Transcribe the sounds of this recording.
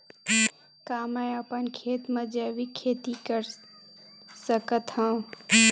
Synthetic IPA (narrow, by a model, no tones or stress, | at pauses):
kaːməjəpənkʰeːt̪mə̃d͡ʒəʋikʰeːt̪ikəɾ | səkət̪ɦã